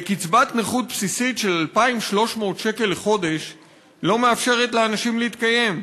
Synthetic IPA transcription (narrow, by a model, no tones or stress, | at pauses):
ekit͡sbat̪neχut̪̚psisitʃe̞lalpaimʃlo̞ʃmo̞ːtʃe̞ke̞leχo̞de̞ʃ | lo̞meafʃe̞ʁetleanaʃimleit̪kaje̞m